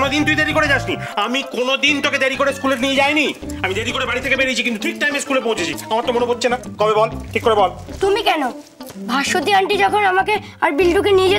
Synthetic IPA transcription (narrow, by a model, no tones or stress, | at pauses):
nod̪int̪umid̪eɾikoɽed͡ʑaʃniamikonod̪int̪oked̪eɾikoɽeskuleɾnied͡ʑajniamid̪eɾikoɽebaɽit̪ʰːekebeɾit͡ɕʰikint̪ut̪ʰik̚ʈajmeskulepowt͡ɕʰet͡ɕʰiamaɾt̪omoneɦotːɕʰenakɔbebɔlʈʰikːoɾebɔlt̪umikɛno | bʱaʃod̪iaɳʈid͡ʑɔkʰonamake | aɾbilɖukenied͡ʑe